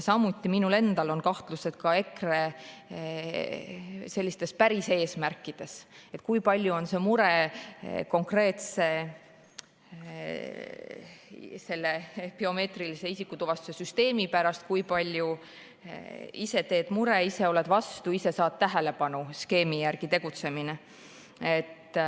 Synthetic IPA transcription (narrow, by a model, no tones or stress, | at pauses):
sɑmut̪ːˑiminule̞nd̪̥ɑlo̞nkɑht̪luse̞d̪̥̚kɑe̞kre | se̞lʲːist̪e̞spæɾise̞ːsmærkːˑid̪̥e̞se̞t̪ːˑkujpɑlʲjuo̞nse̞muɾe̞ | ko̞ŋkre̞ːt̪se̞ | se̞lːe̞pio̞me̞ːt̪rilise̞isikːˑut̪uvɑst̪use̞syst̪e̞ːmipæɾɑst̪̚kujpɑlʲju | ise̞t̪e̞ːd̪̥muɾe̞ise̞o̞le̞d̪̥vɑst̪uise̞sɑːt̪̚t̪æɦe̞le̞pɑnuske̞ːmijærɡ̥it̪eɡ̥ut̪se̞mine | e̞t̪ː